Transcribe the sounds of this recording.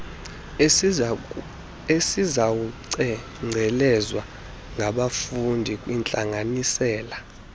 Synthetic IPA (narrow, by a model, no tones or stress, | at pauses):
esizawuǀɛ | ŋ͡ǀʱɛlɛzwa | ŋɡʱaɓafundʱikʼwint͡ɬʼaŋʱanisɛːla